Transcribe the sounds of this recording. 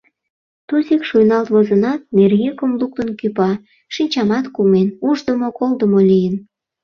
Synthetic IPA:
t̪uzikʃujnɑlt̪βozənɑt̪̚nerɣekomluk̚t̪ə̆nkypɑ | ʃinʲt͡ɕɑmɑt̪kumenuʒd̪əmokold̪əmolijən

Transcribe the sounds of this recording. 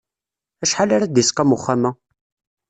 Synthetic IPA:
æʃħalaɾad̪jiskæmʊχːamæ

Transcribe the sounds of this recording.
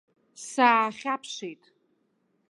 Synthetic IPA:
saːχʲapʰʂejtʼ

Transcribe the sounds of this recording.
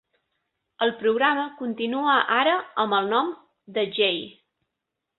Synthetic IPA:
əlˠpɾuɣ̞ɾaməkunt̪inuəʔaɾəəmbəlˠnɔm | d̪əʒej

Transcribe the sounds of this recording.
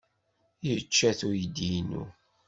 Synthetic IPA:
jt͡ʃːæθuɾjid̪inṵ

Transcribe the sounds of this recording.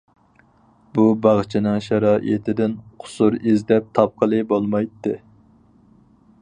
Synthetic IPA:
bubɑʁt͡ʃʰinɨŋʃɑɾɑːʔḭt̪ʰɪd̪ɪnqʰʊ̥suɾizd̪ɛp̚t̪ʰɑp̚qʰəlˠɨbolˠmɑjt̪ːɨ

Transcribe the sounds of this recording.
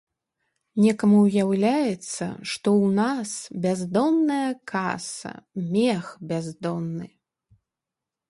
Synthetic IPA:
nʲɛkɐmuwjawlʲajɛt̪sːɐ̰ʂt̪ɔwnasbʲazd̪ɔnːɐjɐkasɐ̰mʲɛxbʲazd̪ɔnːɨ

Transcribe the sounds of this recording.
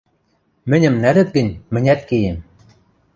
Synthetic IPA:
mɘ̆nʲɘ̆mnæɾɘ̆t̪̚ɡɘ̆nʲmɘ̆nʲæt̪̚kejɘ̆m

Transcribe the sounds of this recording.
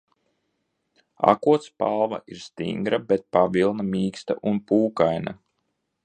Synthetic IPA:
a̰kuɔt̪spalˠva̰ʔiɾst̪ḭŋɡɾabɛt̪̚pavilˠnamiːkst̪a̰ʔunpuːkajna

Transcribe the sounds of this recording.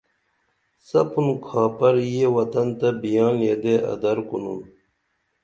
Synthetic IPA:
sɐpunkʰɑːpɐɾjewɐt̪ɐnt̪ɐbijɑːnjed̪eʔɐ̰d̪ɐɾkunun

